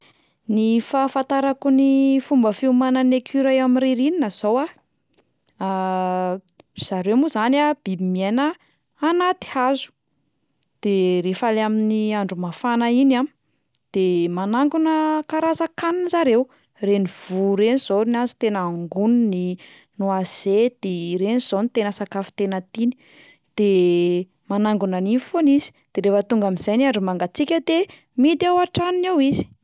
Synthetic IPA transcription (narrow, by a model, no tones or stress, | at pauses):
nifafant̪aɾakunifumbəfiumanənekʰiɾajamiɾiɾininəz̥owa | a | z̥aɾemuzanab̥ibimienəː | nat̪i̥azu̥ | d̪̥eɾefalaminiaɳɖ͡ʐumafanəinam | d̪̥emanaŋɡunəkaɾazakaninzaɾew | reniv̥uɾeniz̥onazi̥t̪enaaŋɡunini | nuaz̥ed̪̥eɾeniz̥onit̪enəsakafi̥t̪enət̪ini̥ | d̪̥e | manaŋɡunanifonizi̥d̪̥eɾefət̪uŋɡamiz̥ajniaɳɖ͡ʐumaŋɡat͡sikʲəd̪e | mid̪awaʈ͡ʂaninawizi̥